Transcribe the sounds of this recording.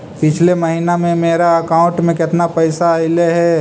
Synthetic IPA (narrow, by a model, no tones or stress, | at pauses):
pɪt͡ʃʰlemɐɦiːnamẽmeːɾaɐkãːʊ̃ɳʈmẽkɪt̪napəɪsaɪleɦɛ